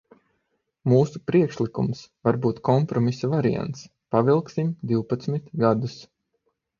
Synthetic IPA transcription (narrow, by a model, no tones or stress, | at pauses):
muːsupɾiɛkʃlˠikumsvaɾbuːt̪kɔmpɾɔmisavaɾia̰nt̪s | pavilˠksimd̪iwpat̪smit̪ɡad̪us